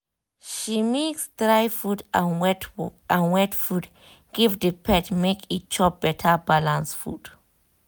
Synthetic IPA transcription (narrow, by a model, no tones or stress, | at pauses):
ʃimeksdɹajfudanwɛtãnwɛtfud | ɡ̥ivdəpʰɛtmekit͡ʃʰɔp̚b̥ɛtʰəbalãnsfṵd̥